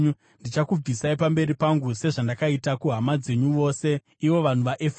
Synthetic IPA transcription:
ndit͡ʃakub͡visaipambe̞ɾipaŋɡuse̞ʐandakaitakuɦamad͡ze̞ɲuʋo̞ːse̞ | iʋo̞ʋan̤uʋaʔef

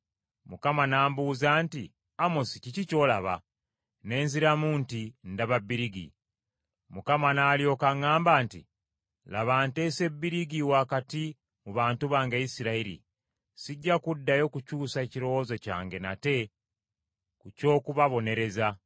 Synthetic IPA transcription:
mukamanaːmbuːzaːnti | amosicicico̞ːlaβa̰ | ne̞ːnziɾamuntindaβabːiɾiɡḭ | mukamanaːljo̞ːkaŋːaːmbaːntḭ | laβaːnte̞ːse̞bːiɾiɡiwaːkati | muβaːntuβaːŋɡeisiɾaiɾḭ | siɟːakudːajo̞kucuːsaeciɾo̞wozeca̰ːŋɡe̞na̰te̞ | kuco̞ːkuβaβo̞ne̞ɾe̞za

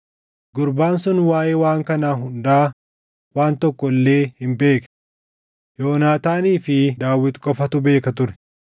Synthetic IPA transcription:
ɡʊɾbaːnsʊnwaːjeːwaːŋkɐnaːɦʊnd̪aː | waːnt̪ɔkːɔlːe̞ːhɪmbe̞ːkɐ̥ | jo̞ːnaːt̪aːniːfɪd̪aːwːɪt̪kʼɔfɐt̪ʊbe̞ːkɐt̪ʊɾɛ̥

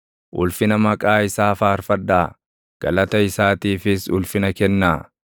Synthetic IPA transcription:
ʔʊlfɪnɐmɐkʼaːɪsaːfaːɾfɐd̪ːaː | ɡ̥ɐ̰lɐt̪ɐɪsaːt̪iːfɪsʊlfɪnɐkɛnːaː

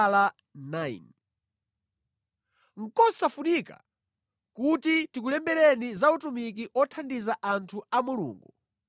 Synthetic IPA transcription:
la | najn | ŋ̩kɔsafunika̰ | kutitikulɛmbɛɾɛnizautumik̬iʔɔtʰandizaʔantʰuamulṵːŋɡu

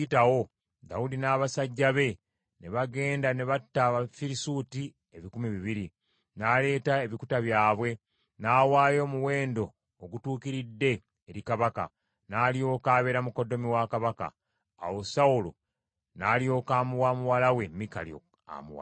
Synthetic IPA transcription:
itawo̞ | daudinaːβasaɟːaβe̞ | ne̞βaɡe̞ːndane̞βatːaβafiɾisuːti | e̞βikumiβiβiɾi | naːle̞ːtaeβikutaβjaːβwe̞ | naːwaːjo̞ːmuwe̞ːndo̞ː | ɡutuːkiɾidːe̞ː | ɾikaβaka̰ | naːlio̞ːkaːβe̞ɾamuko̞do̞miwakaβaka̰ː | wosaulo̰ | naːlio̞ːkaːmuwaːmuwalawe̞mika̰ljo̰ | a̰muwa̰

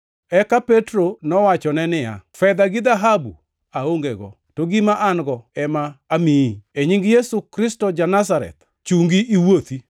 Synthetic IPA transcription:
ɛkapetɾonɔwat͡ʃɔnɛnɪja̰fɛd̪aɡɪd̪aɦabṵ | aoŋɡeɡɔ̰ | toɡimaʔanɡɔɛmaːmiieɲiŋɡjesukɾɪstɔd͡ʒanasaɾɛ̰t̪ | t͡ʃuŋɡiʔiwot̪i

